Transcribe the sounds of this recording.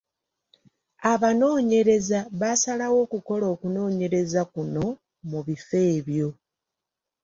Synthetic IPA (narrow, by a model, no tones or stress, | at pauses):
aβano̞ːɲe̞ɾe̞zaβasalawo̞ːkuko̞lo̞ːkuno̞ːɲe̞ɾe̞zakuno̞ | muβife̞ːβjo̞